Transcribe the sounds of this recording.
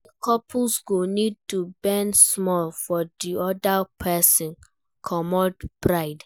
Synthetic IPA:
kʰɔpʰulsɡonid̚tubɛ̃nsmɔlfɔdiɔdapʰɛsɔ̃n | kʰɔmɔdbɹaɪd

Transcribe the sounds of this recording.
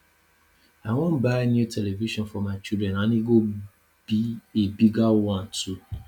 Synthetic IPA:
awɔ̃mbanjutʰɛleviʃɔ̃nfɔmãɪt͡ʃidɾɛ̃nãnĩɡo | b̥iebiɡawɔ̃ntʰu

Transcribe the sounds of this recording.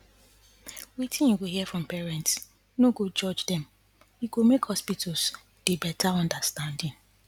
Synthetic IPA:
witĩniɡohiɛfɹɔ̃mpɛɹɛ̃nts | noɡod͡ʒɔd͡ʒdɛ̃m | iɡomekhɔspitʰos | d̥ebɛtʰaɔ̃ndastãndɪ̃ŋ

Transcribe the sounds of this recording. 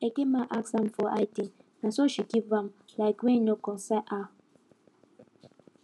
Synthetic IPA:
ekemaʔaksãmfɔʔajtĩnasoʃikivamlaɪkwẽnokɔ̃nsɛʔa

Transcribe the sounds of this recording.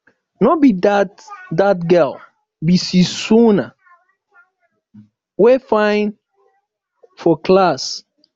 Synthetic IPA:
nɔbid | dat̚ɡɛl | bisisuna | wefãɪ̃n | fɔklas

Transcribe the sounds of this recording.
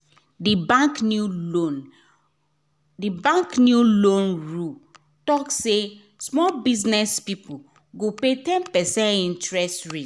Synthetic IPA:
dibãknuon | dibãŋknjulõnɹu | tɔkse | smɔlbiznɛspipʰu | ɡopetɛ̃npɛsɛ̃ntĩntɹɛstɹi

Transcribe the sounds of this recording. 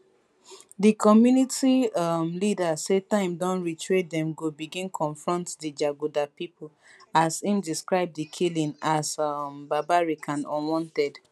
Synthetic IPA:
dikʰɔmjunitimlidasetãɪ̃mdɔ̃nɹitʰɹet̚dɛ̃mɡobiɡĩnkʰɔ̃nfɹɔ̃ntdid͡ʒaɡudapipʰol | asĩmdiskɹaɪb̚dikʰilĩnasmbabaɹikʰãnɔ̰̃wɔ̃ntɛd

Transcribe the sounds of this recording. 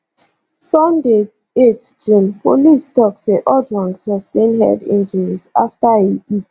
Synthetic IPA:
sɔ̃nde | etd͡ʒɹĩmpolistɔkseʔɔdɹɔ̃ŋksɔstẽnhɛ̰dḭ̃nd͡ʒəɹizaftaeit

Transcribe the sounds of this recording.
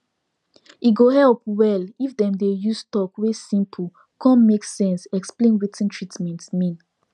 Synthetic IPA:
iɡohɛlp̚wɛlifdɛ̃mdejustɔkwesĩmpʰu | kɔ̃nmeksɛ̃nsɛksplẽnɹitɛ̃ntʰɹitmɛ̃ntsmĩn

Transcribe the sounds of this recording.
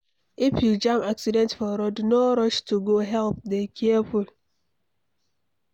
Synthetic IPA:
ɪfjud͡ʒamaksidɛ̃ntfɔɾɔdnoɾɔʃtuɡoɦɛlp̚dekʰieful

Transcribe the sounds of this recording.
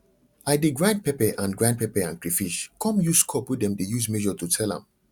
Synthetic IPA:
aɪdeɡɹãɪ̃nd̚pɛpɛʔãnɡɹãj̃nd̚pɛpɛãnkɹifiʃkʰɔ̃mjuskʰɔpwidɛ̃mdejusmɛʒɔtutʰɛlã̰m

